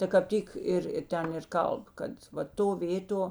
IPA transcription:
tɐ kɐp ˈtʲiːk ˈɪr ɪr ˈtʲɛn ɪr ˈkɐlˠp ˈkɐt ʋɐ ˈtoː ˈʋʲeːtoː

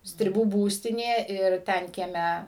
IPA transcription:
sʲtʲrʲɪˈbuː ˈbuːsʲtʲɪnʲeː ɪr ˈtʲɛn kʲiɛˈmʲɛ

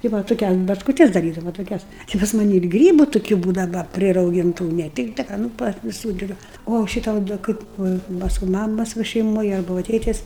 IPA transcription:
tɐɪ ˈʋɐ toːˈkʲɛs bɐt͡ʃkʊˈtʲɛs dɐˈrʲiːdɐʋɐ toːˈkʲɛs ˈt͡ʃʲɪ pɐs mɐˈnʲɪ ɪr ˈɡrʲiːbʊ tʊˈkʲuː ˈbuːdɐʋɐ pʲrʲɪrɐʊˈɡʲɪntʊ nʲɛ ˈtʲɪktɐ ˈkɐ nʊ pɐr ʋʲɪˈsuː ˈdɐr oː ˈʃʲɪtɐ oː dɐ ˈkɐɪp ˈʋɐ ˈpɑːskʊ ˈmɑːmɐs ˈʋɐ ʃʲɛɪˈmoːj ˈɐrbɐ ˈʋɐ ˈtʲeːtʲɛs

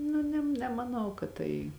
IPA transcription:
ˈnʊ nʲɛm nʲɛmɐˈnɐʊ kɐt ˈtɐɪ

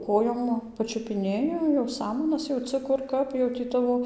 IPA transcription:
ˈkoːjoːm pɐt͡ʃʲʊpʲɪˈnʲeːjɪ jɛʊ ˈsɑːmɐnɐs jɛʊˈt͡sɨ ˈkʊr ˈkɐp jɛʊ tʲiː ˈtɑːʋoː

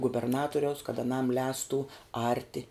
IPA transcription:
ɡʊbʲɛrˈnɑːtʊrʲɛʊs kɐt ɐˈnɐm ˈlʲɛːstʊ ˈɐrʲtʲɪ

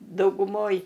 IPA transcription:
dɐʊɡʊˈmoːj

